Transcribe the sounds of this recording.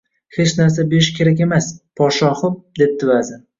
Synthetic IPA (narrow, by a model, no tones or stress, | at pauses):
het͡ʃnaɾs̬abeɾɪʃkʲʰe̞ɾakʲe̞maspʰɒʃɒχɨm̚d̪e̞p̚t̪ʰɪvazɪ